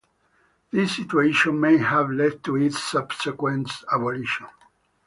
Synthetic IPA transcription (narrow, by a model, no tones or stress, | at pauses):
ð̥isːit̪ueʃɔ̃nmejhævlɛd̚t̪ʰuitsːabsɛkwɛ̃nsaboliʃɔ̃n